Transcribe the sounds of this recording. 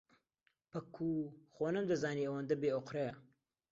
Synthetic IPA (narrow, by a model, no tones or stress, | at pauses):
pɐkʰːuːxoːnɐmd̪ɐzaːniːɐwɐnd̪ɐbeːoqɾeɐ